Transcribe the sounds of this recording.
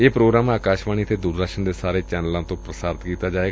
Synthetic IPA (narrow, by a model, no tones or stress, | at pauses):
eːpɾoːɡɾaːmaːkaːʃʋaːñiːət̪ʰeːd̪uːɾd̪əkʃənd̪eːsaːɾeːt͡ʃɛːnəlãːt̪õːpɾəsaːɾɪt̪kiːt̪aːd͡ʒaːeː